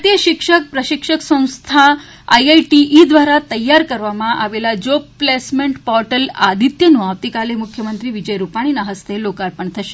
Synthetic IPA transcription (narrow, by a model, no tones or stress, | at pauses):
t̪ijəʃɪkʃək̚pɾəʃɪkʂəksə̃w̃st̪ʰa | a̰jajʈiʔid̪ʋaɾat̪əjːaɾkəɾʋamãʔa̰ʋelad͡ʒopplesmẽɳʈpɔɾʈəla̰d̪ʱit̪jənũaʋt̪ikalemʊkʰjəmənt̪ɾiʋid͡ʒəjɾupaɽ̃inaɦəst̪ʰelokaɾpəɳt̪ʰəʃe̥